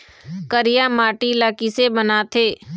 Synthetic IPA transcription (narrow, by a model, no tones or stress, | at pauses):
kəɾɪjamaːʈilaːkisebənat̪ʰeː